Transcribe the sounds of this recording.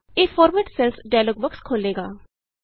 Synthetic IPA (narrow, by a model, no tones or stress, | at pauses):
eːfʰɔːɾmɛʈsɛlsɖajloːɡʋəkskʰoːleːɡaː